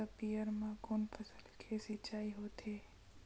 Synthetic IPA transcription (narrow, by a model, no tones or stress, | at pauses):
əpijəɾmãkonpʰəsəlkʰesit͡ʃaːiɦot̪ʰe